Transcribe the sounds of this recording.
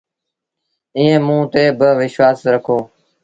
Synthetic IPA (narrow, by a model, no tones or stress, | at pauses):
ĩːẽːmũːt̪eːbəʋɪʃwaːsɾəkʰoː